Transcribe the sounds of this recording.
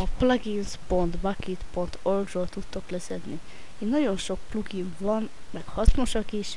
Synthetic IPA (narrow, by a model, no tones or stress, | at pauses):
ɒplɒɡinspo̞nt̪bɒkit̪po̞nt̪ʰolɡrolt̪ut̪ːo̞klɛzɛd̪ni | eːnːɒɟo̞nʃo̞k̚pluɡiɱvɒn | mɛkhɒsmoʃɒkiʃ